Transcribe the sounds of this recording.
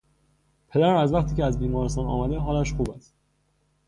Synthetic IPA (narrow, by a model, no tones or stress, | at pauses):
pʰe̞d̪æɾæmæzvæχt̪ʰiːceæzbiːmɒːɾest̪ɒːnɒ̰ːmæd̪e̞ɦɒːlæʃxuːbæst̪